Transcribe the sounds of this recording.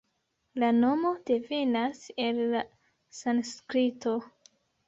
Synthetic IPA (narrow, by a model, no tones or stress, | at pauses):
lano̞mo̞d̥e̞venase̞lːa | sanskɾito̞